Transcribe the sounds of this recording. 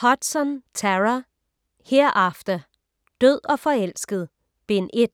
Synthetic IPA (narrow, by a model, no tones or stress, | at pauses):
hɒ̽d̥sɒnt͡sʰæʁa | heɐ̰ʔɑfd̥ɐ | d̥øð̰ˠɒ̽fɒ̽el̰sɡ̥əð̩ˠ | b̥e̝ne̝d̥